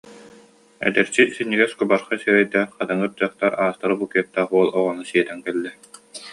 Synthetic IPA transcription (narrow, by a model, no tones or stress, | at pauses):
ɛ̰d̪ɛɾsisinːiɡɛskubaɾχasyɾɛjd̪æːɾqat̪aŋɯɾt̪ɯœχt̪aɾaːst̪aɾɯbukiɛt̪ːaːχuɔlˠɔʁɔnɯsiɛt̪ɛŋkɛlːɛ